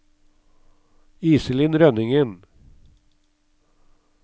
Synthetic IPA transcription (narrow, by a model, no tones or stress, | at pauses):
iːsəlɪnɾœnɪŋən